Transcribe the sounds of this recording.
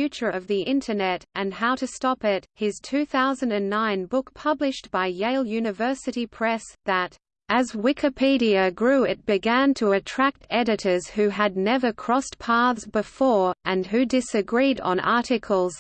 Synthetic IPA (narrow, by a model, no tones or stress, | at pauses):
jʉt͡ʃə˞ʌvðiʔɪ̃ntʰə˞nɛɾʔɨ̃nɦaʊɾɨstɑpɪt̚hɪz̥tʰʉθaʊzɨ̃n̩dɨ̃nːãɪ̃nbʊk̚pʰʌblɨʃb̥aɪjeɪlˠjʉnɨvɜ˞sɨɾipʰɹ̥ɛsðəɾ | ʔɨzwɪkʰɨpʰiɾiɨɡɹʉɪt̚b̥ɨɡæ̃ntʰəɨtʰɹ̥æk̚tɛɾɨɾə˞z̥hʉɨdⁿnɛvə˞kʰɹ̥ɔspʰɑɹðzbɨfɔɹʔɨ̃nɦʉdɪsɨɡɹiɾn̩ɑ̰ɹɾɨkʰl̩ˠz̥